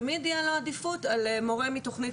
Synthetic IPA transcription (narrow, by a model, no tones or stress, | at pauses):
mid̪ijalaadifutalemo̞ʁemitoχni